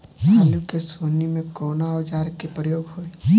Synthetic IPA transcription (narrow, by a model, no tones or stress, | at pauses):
alukesoːnimẽkoːnaɔd͡ʒaːɾkepɾəjoːɡɦoːi